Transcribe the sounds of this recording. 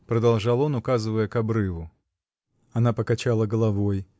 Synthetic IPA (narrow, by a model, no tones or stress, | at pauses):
pɾɐd̪alˠʐalˠɔnukazɨvəjɛkabɾɨvu | anapɐkat͡ʃalˠɐɡɐlˠavɔj